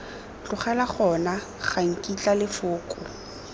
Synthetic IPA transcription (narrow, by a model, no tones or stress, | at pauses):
t͡ɬʊχalaχɔna | χaŋ̩kʼit͡ɬʼalɪfʊːkʼʊ